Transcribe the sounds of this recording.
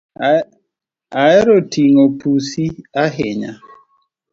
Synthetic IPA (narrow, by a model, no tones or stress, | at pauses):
aɛɾotiŋopusiaɦɪɲa̰